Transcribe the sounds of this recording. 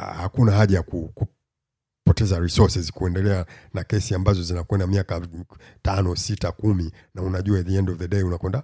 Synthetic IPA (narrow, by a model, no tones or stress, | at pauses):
hakunaɦaʄajakuku | pɔtɛzaɾisɔsɛzkuɛndɛlɛanakɛsiambazɔzinakwɛndamiaka | tanɔsitakumi | naunaʄuaðiɛndɔvðəɗɛiunakwɛnda